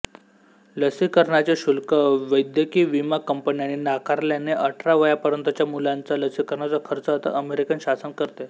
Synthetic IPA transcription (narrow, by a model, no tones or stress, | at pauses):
ləsikəɾɳat͡ɕeɕulkəʋəjd̪jəkiːʋimakəmpənjaninakʰaɾljaneʔəʈʰɾaʋəjapəɾənt̪ət͡ɕjamulant͡sələsikəɾɳat͡səkʰəɾt͡səɦət̪ə̰ʔəmeɾikənɕasənkəɾt̪e